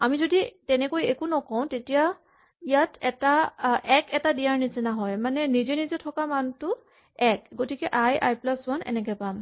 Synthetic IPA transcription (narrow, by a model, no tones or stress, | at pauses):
amizoditɛnɛkojekunɔkɔw̃tetija | ijatʰɛtaʔɛkɛtadijaɹnizɛnaɦɔjmanɛnizɛnizɛtʰɔkamantʊ | ɛkɡotikɛʔajʔa̰jplaswanɛ̰nɛkɛpam